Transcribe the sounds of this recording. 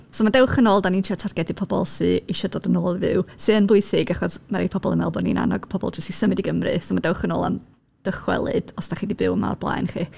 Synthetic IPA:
sɔmadɛwχənoːlˠdaniːntʰiɔtʰarɡɛdɨpʰɔbɔ̰lˠsɨiʃədɔdənoːlˠivɨ̰wsɨənbʊɨsɪɡaχɔsmaɾipʰɔbɔlˠənmɛ̰lˠbɔnḭnʔa̰nɔ̰ɡ̥pʰɔbɔ̰lˠd͡ʒɔsisəmɨdiɡəmrɨ̰somadɛwχənoːlˠa̰m | d̥əχwɛ̰lˠɨ̰d̥ɔsd̥aχiːdibɨwəma̰rblˠa̰jnχiː

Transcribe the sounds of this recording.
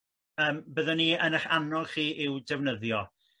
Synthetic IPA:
əːmbəðəniənəχanɔlˠχiːʔɪwdɛvnəðjɔ

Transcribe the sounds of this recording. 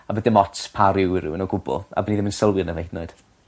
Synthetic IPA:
abədɪmɔtpʰaɾɪwɪɾṵwənɔɡʊbʊ̰lˠa̰bəniðɪmənsəlˠwɨnəvejθnɔɨd̥

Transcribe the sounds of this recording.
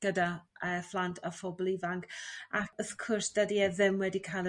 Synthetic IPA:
ɡ̥ədaəflˠantʰafɔblˠivaŋkaɔθkʰʊrsd̥adiɛðɪmwɛdikʰajlˠə

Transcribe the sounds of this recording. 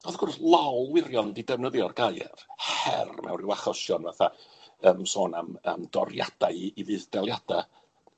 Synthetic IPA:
ɔðɡ̥ʊrslˠawlˠwɪɾjɔndidɛvnəðɨɔrɡajɛ̰rhɛ̰rmʔɛ̰wnrɪwaχɔʃjɔnvaθaəːmsoːnamə̰mdɔ̰rja̰d̥aɨivɨːðdɛlˠjad̥a

